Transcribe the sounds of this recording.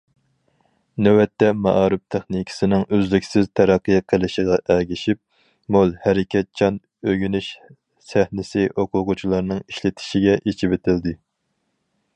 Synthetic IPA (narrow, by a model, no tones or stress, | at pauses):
nɛwɛt̪ːɛmɑ̰ʔɑːɾɪp̚t̪ʰɛχnikʲʰɪ̥sɪnɪŋøzlykʲsɪzt̪ʰæɾɑqːəjqʰəlˠɪʃiʁɑʔɛɡʲiʃip̚ | molˠhæɾɪkʲʰɛt̪̚t͡ʃʰɑn | øɡʲynyʃ | sæhnɪsɪʔoqʰʊqʊt͡ʃʰilˠɑɾnɨŋiʃlɪt̪ʰɪ̥ʃiɡʲɛʔet͡ʃʰibet̪ʰɪld̪ɪ